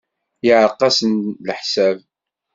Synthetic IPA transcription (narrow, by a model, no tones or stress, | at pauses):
jiʕəqːɑsənlħsæv